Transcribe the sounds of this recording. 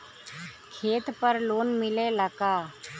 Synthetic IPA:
kʰeːt̪pəɾloːnmɪleləkaː

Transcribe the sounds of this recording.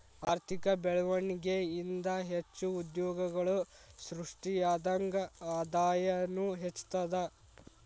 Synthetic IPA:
aːɾt̪ʰikɐbɛɭɐʋɐɳiɡeind̪ɐɦet͡ʃːuːd̪jɔːɡɐɡɐɭusɾuʂʈiaːd̪ɐŋɡɐaːd̪aːjɐnuɦet͡ʃːu̥t̪ɐd̪ɐ

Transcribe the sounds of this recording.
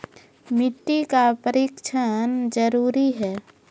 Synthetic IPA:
mɪʈːikapəɾiːkt͡ʃʰənd͡ʒəɾuːɾiɦɛː

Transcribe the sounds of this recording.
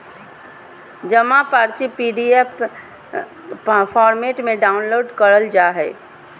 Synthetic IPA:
d͡ʒəmapaːɾt͡ʃipiːɖiep | pʰɔːɾmeːʈmẽɖaːʊnloːɖkəɾəld͡ʒaːɦɛː

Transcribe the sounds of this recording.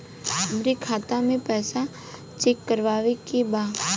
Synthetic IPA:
ɐmɾikʰaːt̪amẽpɛːsa | t͡ʃekːəɾʋaːʋekebaː

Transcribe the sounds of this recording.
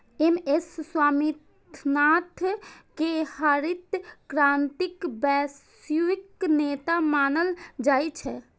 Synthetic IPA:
emesːwaːmit̪ʰnat̪ʰkehəɾit̪kɾãnt̪ikbɛs | juiknet̪amaːnəld͡ʒaːjt͡ʃʰɛ

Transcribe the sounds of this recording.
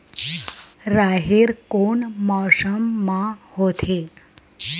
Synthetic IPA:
ɾaɦeɾkoɳmɔsəmːãhot̪ʰe

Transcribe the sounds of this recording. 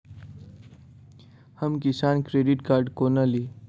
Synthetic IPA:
həmkɪsaːnkɾeːɖɪʈkaːɾɖkoːnaliː

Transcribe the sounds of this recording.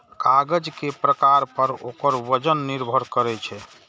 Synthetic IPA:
kaɡəd͡ʒkepɾəkaɾpəɾokəɾʋəd͡ʒənːiɾbʱəɾkəɾɛt͡ʃʰɛ

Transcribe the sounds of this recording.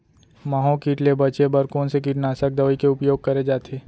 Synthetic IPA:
maːɦõkiːʈlebɐt͡ʃebɐɾkõnsekiʈnaːsək̚d̪əɐʋikeʊpjoːɡ̚kɐɾed͡ʒaːt̪ʰeː

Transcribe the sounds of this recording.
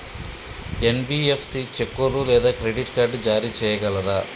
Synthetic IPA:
enbiːepʰsit͡ʃekːolulɛːd̪aːkɾeɖiʈkaːɾɖd͡ʒaːɾiːt͡ʃɛːjɐɡɐlɐd̪a

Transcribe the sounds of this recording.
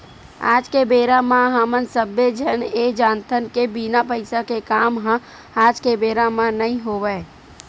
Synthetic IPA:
a̰ːd͡ʒkebeːɾamãɦamənsəbːed͡ʒʱəned͡ʒaːnt̪ʰənkebinapəɪsakekaːmɦã | aːd͡ʒkebeːɾamãnəɦĩɦoʋəe

